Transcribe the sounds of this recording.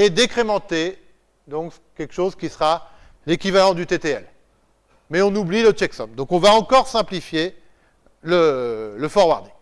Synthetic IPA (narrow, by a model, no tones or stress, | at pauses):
ed̪ekχemɑ̃t̪e | d̪ɔ̃k | kʲɛlkə̥ʃozkʲisəʁa | lekʲivalɑ̃d̪yt̪et̪eɛl | mɛɔ̃nublilət͡ʃɛksɔmd̪ɔ̃kɔ̃vaɑ̃kɔʁsɛ̃plifje | lələfɔʁwaʁd̪e